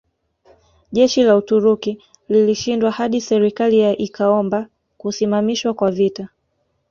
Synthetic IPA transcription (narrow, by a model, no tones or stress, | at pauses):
ʄɛʃilautuɾuki | liliʃindwahaɗisɛɾikalijaʔikʰaɔmba | kusimamiʃwakwavita